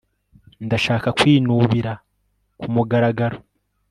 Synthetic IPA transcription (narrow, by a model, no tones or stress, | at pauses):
ndaʃaːkakwiːnuβiɾa | kumuɡaɾaɡaɾo